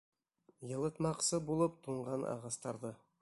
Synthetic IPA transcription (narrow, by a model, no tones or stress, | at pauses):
jɤ̆lˠət̪mɑqsəbulˠəp̚t̪ʰuɴʁɑnʔɑ̰ʁɑst̪ɑɾd̪ə